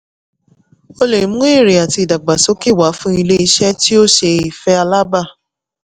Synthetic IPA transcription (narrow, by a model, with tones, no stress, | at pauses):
o˧le˨ĩ˨mũ˦e˦˨ɾi˨a˨ti˧i˨da˨ɡ͡ba˨so˨˦ki˦˨wa˨˦fũ˦i˧le˦i˧ʃɛ˦ti˦o˦ʃe˧i˨fɛ˦a˧la˦ba˦˨